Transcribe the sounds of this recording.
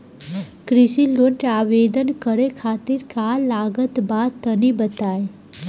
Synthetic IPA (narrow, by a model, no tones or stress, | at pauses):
kɾɪʃiloɳʈaːʋeːd̪ənkəɾekʰaːt̪ɪɾkaːlaːɡət̪baːd̪̚t̪ənibət̪aːe